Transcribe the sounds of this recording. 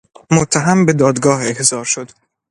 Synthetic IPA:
mot̪ʰːæɦæmbe̞d̪ɒːd̪ɡɒːhe̞hz̥ɒːɾʃo̞d̪̥

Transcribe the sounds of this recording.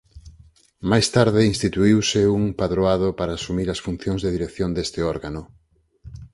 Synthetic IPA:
majst̪aɾðɪinst̪it̪uiwsɪuŋpaðɾoaðopaɾaːsumiɾɐsfun̟θjõŋzðeðiɾekθjond̪est̪ɪɔɾɣano

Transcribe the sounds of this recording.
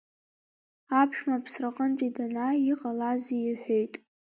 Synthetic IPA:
apʰʃᶣmapʰsraqʼənt͡ʃʷʼidanaiqʼalazijɪħʷᶣejtʼ

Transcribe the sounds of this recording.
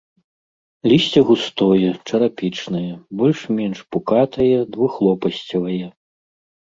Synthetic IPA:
lʲisʲt͡sʲɐɣust̪ɔjɛt͡ʂɐɾapʲit͡ʂnɐjɛbɔlʲʂmʲɛnʂpukat̪ɐjɛd̪vuxlˠɔpɐsʲt͡sʲɐvɐjɛ

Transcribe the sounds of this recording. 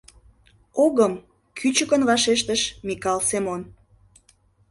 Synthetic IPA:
oɣəm | kʰyt͡ɕəkənvɑʃeʃt̪əʃmikɑlsemon

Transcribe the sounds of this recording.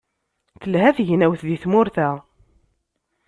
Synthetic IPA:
θəlɦæθʝnæwθðiθmʊɾθæ

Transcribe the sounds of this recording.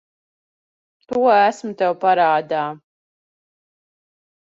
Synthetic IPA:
t̪uɔæsmut̪ɛwpaɾaːd̪aː

